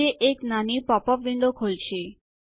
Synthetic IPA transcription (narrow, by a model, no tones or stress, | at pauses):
eʔeknanipɔpɔbbʱinɖ̪okʰolt͡ɕʰe